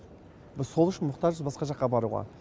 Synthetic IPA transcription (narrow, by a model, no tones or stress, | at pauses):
bɪzsʰo̞lˠʏʃɪnmʊqt̪ɑʒəsbɑsqɑʒɑqːɑbɑɾuʁɑ̰